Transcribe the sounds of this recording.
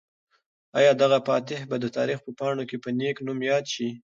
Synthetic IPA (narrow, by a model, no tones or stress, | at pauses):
ɑjɑd̪aɣapɑt̪ɪhbad̪ət̪ɑɾixpəpɑɳokepəneknumjɑd̪ʃi